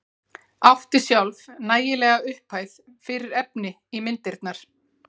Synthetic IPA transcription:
aft̪ɪ̥sjawlvnaːjɪlɛːɣaʏhpʰaːjθ | fɪɾɪɾɛpnɪ | imɪnt̪ɪɾt̪naɾ̥

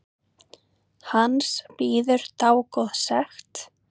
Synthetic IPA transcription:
hanspiːðʏɾ̥t̪aːwkɔðsɛxt̪

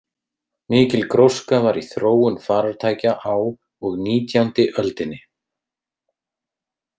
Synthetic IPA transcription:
mɪːcɪlkɾowskavaɾiθɾoːwʏnfaːɾaɾt̪ʰaːjcaʔaw | ɔɣniːt̪jant̪ɪʔœlt̪ɪnːɪ

